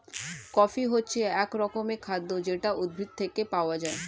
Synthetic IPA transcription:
kɔfiɦotːt͡ɕʰeɛkɾɔkomekʰad̪ːod͡ʑeʈaud̪̚bʱit̪̚t̪ʰːekepaoad͡ʑae

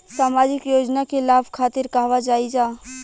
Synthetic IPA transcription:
saːmaːd͡ʒɪkjoːd͡ʒnakelaːbʱkʰaːt̪ɪɾkaːʋad͡ʒaːid͡ʒaː

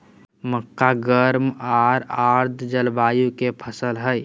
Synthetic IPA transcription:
məkːaɡəɾmaɾaɾd̪ʱd͡ʒəlbajukepʰəsəlɦəj

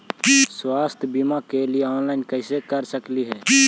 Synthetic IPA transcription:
swaːst̪ʰbimãkelɪeɔːnlaːɪnkəɪsekəɾsəkliɦɛː

